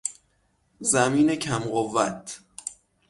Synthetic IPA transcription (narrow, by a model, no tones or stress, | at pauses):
zæmiːnecʰæmɢovæt̪ʰ